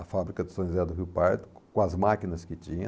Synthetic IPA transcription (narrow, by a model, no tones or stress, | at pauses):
ɐfabɾikɐd̪ʊsõj̃zɛd̪ʊɦiwpaɾt̪ʊ̥kõɐzmakinɐskɪt͡ʃĩɲɐ